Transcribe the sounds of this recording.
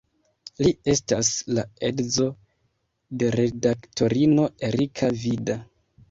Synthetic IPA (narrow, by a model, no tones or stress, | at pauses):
lie̞staslae̞dzo̞ | de̞ɾe̞daktʰo̞ɾino̞e̞ɾikʰavida